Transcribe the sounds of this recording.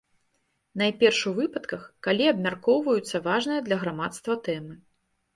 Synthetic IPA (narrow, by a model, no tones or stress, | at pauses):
najpʲɛrʂuvɨpɐt̪kɐxkalʲiɐbmʲarkɔwvɐjut̪sːɐvaʐnɨjɐd̪lʲɐɣɾamat̪st̪vɐt̪ɛmɨ